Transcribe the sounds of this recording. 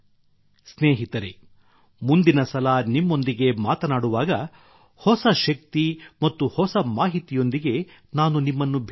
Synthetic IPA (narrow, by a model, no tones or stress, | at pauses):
sneːɦit̪ɐɾe | mund̪inɐsɐlɐnimːo̞nd̪iɡe̞maːt̪ɐnaːɽuʋaːɡɐ | hɔsɐʃɐk̚t̪imɐt̪ːuhɔsɐmaːɦit̪ijo̞nd̪iɡe̞ | naːnunimːɐnːubʱ